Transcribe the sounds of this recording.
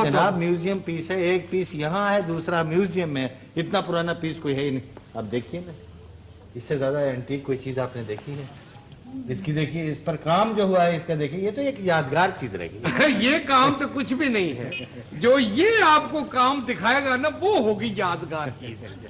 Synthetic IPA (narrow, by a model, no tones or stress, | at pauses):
d͡ʒɐnaːbmjuːzijəmpiːsɦɛeːk̚piːsjɐɦãɦɛd̪uːsɾamjuːzijəmɦẽ | ɪt̪napʊɾaːnapiːskoiɦɛinɐĩaːp̚d̪eːkʰienɐi | ɪsːezjaːd̪aɛ̃ːɳʈiːkːoːit͡ʃiːzaːpned̪eːkʰinɐĩ | ɪskid̪eːkʰieɪspɐɾkaːmd͡ʒoːɦuaɦɛɪskad̪eːkʰiejet̪oeːkjaːd̪ɡaːɾt͡ʃiːzɾɐ̰ɦḛɡijekaːmt̪okʊt͡ʃʰbʱinɐɦĩɦɛ | d͡ʒoːjeaːpkokaːmd̪ɪkʰaːeːɡanaʋoɦoːɡijaːd̪ɡaːɾt͡ʃiːz